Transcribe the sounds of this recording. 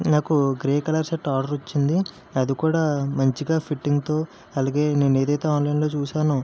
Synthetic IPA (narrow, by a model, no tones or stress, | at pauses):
naːkuɡɾeːkɐlɐɾseʈːaːɾɖɐɾot͡ʃːind̪i | ɐd̪ikuːɽaːmɐɲt͡ʃiɡaːpʰiʈːiŋɡt̪o̞ː | ɐlaːɡe̞ːne̞ːnue̞ːd̪ɐjt̪e̞ːaːnlɐjnlo̞ːt͡ʃuːʃaːnu